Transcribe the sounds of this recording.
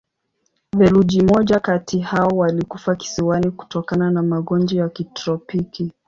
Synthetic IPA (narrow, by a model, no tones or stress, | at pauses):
vɛlud͡ʒimɔʄakatihaɔwalikufaki̥siwaniku̥tɔkananamaɠɔnd͡ʒɔjakitɾɔpiki